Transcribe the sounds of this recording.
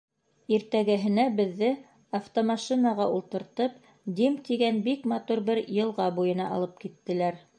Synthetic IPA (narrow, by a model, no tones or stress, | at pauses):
iɾt̪æɡæɦɘ̆næbɘ̆ðːɘ | ɐft̪omɑʃinɑʁɑulˠt̪ɤ̆ɾt̪ɤp | d̪imt̪iɡænbikmɑt̪uɾbɘɾjɤ̆lˠʁɑbujɤ̆nɑʔɑ̰lˠɤp̚kit̪ːɘ̆læɾ